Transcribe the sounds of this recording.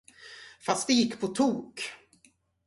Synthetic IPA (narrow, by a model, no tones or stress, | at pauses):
fast̪̚d̪ɛjɪkːpʰɔt̪ʰuːk